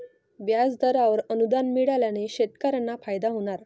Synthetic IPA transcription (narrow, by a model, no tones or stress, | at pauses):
bjad͡zd̪ʱəɾaʋəɾənud̪anmiɽaljaneɕet̪kəɾənːafajd̪aɦoɽ̃aɾ